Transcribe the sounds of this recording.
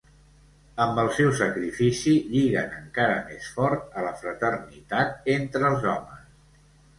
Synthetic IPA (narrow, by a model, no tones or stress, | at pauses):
əmbəlˠsɛwsəkɾifisiʎiɣənəŋkaɾəmesfɔɾt̪ələfɾət̪ərnit̪at̪̚ent̪ɾəlˠzɔməs